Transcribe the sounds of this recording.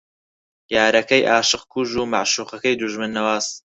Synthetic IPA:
jaːɾɐkɐjʔaːʃɨqkʰuʒuːmaʕʃuːχɐkɐjd̪uʒmɨnːɐwaːz

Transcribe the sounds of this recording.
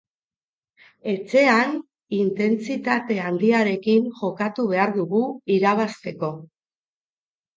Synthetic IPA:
e̞t͡se̞an | int̪e̞nt͡sit̪at̪e̞and̪iaɾe̞kinʝo̞kat̪uβ̞e̞aɾðuɣuiɾaβ̞ast̪e̞ko̞

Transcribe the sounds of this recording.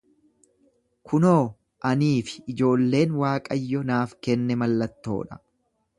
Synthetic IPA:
kʰʊnoː | ʔɐniːfɪ̥ʔd͡ʒo̞ːlːe̞ːnwaːkʼɐjːɔnaːfkɛnːɛmɐlːɐt̪ːo̞̰ːᶑɐ̥

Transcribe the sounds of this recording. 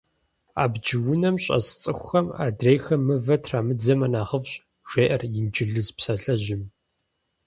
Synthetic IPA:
a̰ːbd͡ʒɪwʊnɐmɕʼɐ̰st͡sʼɨxʷʊxɐma̰ːdrejxɐmɨvɐtʰraːmɨd͡zɐmɐnaːʁəvɕʼ | ʒ̥ʷeːʔɐrjɪnd͡ʒɪɮɨzpsɐɬɐʑɪm

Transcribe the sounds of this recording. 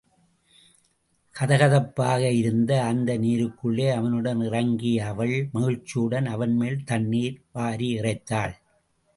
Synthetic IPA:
kʰɐðɐɣɐðɐpːaːɣɐɪɾɯnd̪ɐːnd̪ɐniːɾɯkːɯɭːeːɐʋɐnɯɽɐnɪrɐŋɡiɐʋɐɭmɐɣɪɻt͡ʃːɪɯɽɐnɐʋɐnmeːlt̪ɐɳːiːɾʋaːɾiɪrɐɪt̪ːaːɭ

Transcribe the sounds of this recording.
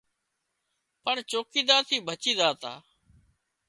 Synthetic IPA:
pəɳt͡ʃoːkiːd̪aːt̪ʰiːbʱət͡ʃiːd̪aːt̪a̰ː

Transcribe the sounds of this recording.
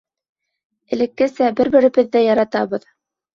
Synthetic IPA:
ɘ̆lɘ̆kːɘsæbɘɾbɘ̆ɾɘ̆bɘðːæjɑɾɑt̪ɑβɤ̆ð

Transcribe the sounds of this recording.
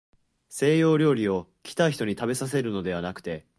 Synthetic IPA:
se̞ːjo̞ːɾʲo̞ːɾʲio̞kʲi̥t̪aiçi̥t̪o̞ɲ̟it̪abe̞sas̬e̞ɾɯ̟no̞d̪e̞βanakɯ̟̥t̪e̞

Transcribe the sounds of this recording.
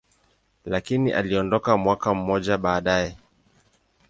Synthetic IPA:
lakiniʔa̰liɔndɔkamwakam̩mɔʄaɓaːɗajɛ

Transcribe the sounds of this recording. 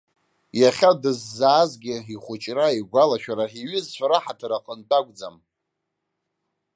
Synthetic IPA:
jaχʲadɨzːaːzɡʲɪiχʷʊt͡ʃʼraiɡʷalaʃᶣaɾaiɥɪzt͡ʃʷʰaɾaħatʰaɾaqʼəntʼakʷʼd͡za̰m

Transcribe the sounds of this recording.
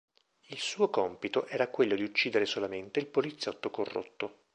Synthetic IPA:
ilsuːokɔmpit̪oʔɛːɾakwelːod̪iut͡ʃːiːd̪eɾesolament̪eilpolit̪sːjɔt̪ːokorːo̰t̪ːo

